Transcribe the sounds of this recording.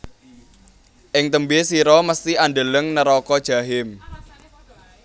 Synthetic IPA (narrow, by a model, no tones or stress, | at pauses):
ʔɪŋt̪əmbesiɾɔməst̪ianɖələŋnəɾɔkɔd̥ʒ̥a̤ɦɪm